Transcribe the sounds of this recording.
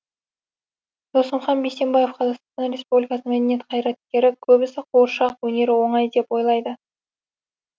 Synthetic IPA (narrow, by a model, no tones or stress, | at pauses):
d̪̥osəmχɑnbejse̞mbɑje̞fqʰɑzɑqst̪ɑnːɑnɾʲe̞spublʲijkɑsəmæd̪enje̞t̪qʰɑjɾɑt̪̚kʲe̞ɾɪkʲʰɵbɪsɪqʰoɾʃɑqwɵne̞ɾɪwo̞ɴɑjd̪e̞pwo̞jlˠɑjd̪ə